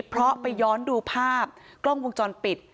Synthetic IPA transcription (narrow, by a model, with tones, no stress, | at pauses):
pʰɾɔ˦˥pa˧jːɔː˦˥nduː˧pʰaː˥˩p̚klo˥˩ŋwo˧ŋt͡ɕɔː˧npi˨˩t̪̚